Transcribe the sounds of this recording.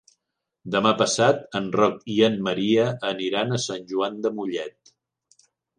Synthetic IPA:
d̪əmapəsat̪ənrɔkiənməɾiəːniɾanəsanʲʒuand̪əmuʎɛt̪̚

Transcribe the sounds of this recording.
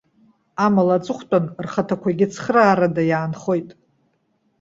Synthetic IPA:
amalat͡sʼɨχʷtʼanrχatʰakʷʰaɡʲɪt͡sʰχraːɾadajaːnχo̞jtʼ

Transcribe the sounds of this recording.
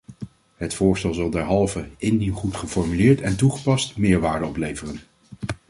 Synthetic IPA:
ɦətfʊːɹstɛlˠzɑlˠdɛɹɦɑlˠvəɪndinχutχəfɔɹmylɪːɹtɛntuχə̥pɑstmɪːɹʋaːɹdəɔplejvərən

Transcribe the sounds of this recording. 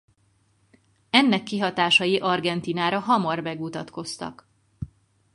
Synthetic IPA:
ɛnːɛkːiɦɒt̪aːʃɒjiʔɒrɡɛnt̪iːnaːɾɒɦɒmɒrbɛɡut̪ɒt̪ko̞st̪ɒ̰k

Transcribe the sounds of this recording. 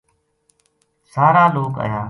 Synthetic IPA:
saːɾaːloːka̰ːjaː

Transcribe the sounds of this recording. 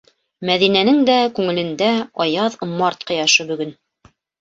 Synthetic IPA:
mæðinænɘŋd̪ækʉŋɘ̆lɘ̆nd̪æɑjɑðmɑɾt̪̚qɤ̆jɑʃɤbɵ̆ɡɵn

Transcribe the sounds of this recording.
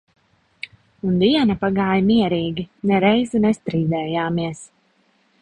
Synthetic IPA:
und̪iɛnapaɡaːjmiɛɾiːɡʲinɛɾɛjzunɛst̪ɾiːd̪ɛːjaːmiɛs

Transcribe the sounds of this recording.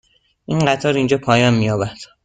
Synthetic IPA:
ʔinɢæt̪ʰɒːɾind͡ʒɒːpʰɒːjɒːnmijɒːbæɾd̪̥

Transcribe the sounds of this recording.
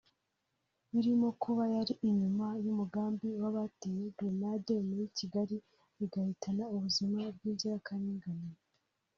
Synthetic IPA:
βiɾimo̞kuβajaɾiʔiɲumajumuɡaːmbiwaβatejedonademujiciɡaɾi | βiɡahitanauβuzimab̚ɡiːɟaɾakaniːŋɡani

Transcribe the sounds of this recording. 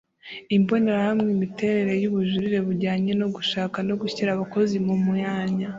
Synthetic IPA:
imbo̞neɾahamŋimite̞ɾe̞ɾe̞juβuʒuɾiɾe̞βuɾɟaːɲe̞noɡuʃaːkano̞ɡuçiɾaβako̞zimumujaːɲa

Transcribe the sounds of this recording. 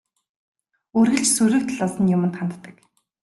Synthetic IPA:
oːrɣɘ̆ɮt͡ɕsuɾʲɵ̆kt̪̆ʰɮɔːsə̆njʊmə̆nt̪χant̪t̪ːə̆k

